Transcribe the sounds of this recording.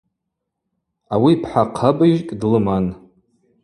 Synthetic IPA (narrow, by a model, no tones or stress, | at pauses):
awipʰħaqʰabɨʒkʼdlɨman